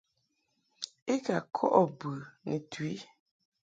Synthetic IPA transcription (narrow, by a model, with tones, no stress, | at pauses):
e˦ɡa˨kʰɔ˦ʔɔ˨bɨ˨nḭ˨t̪ʰu˨i˦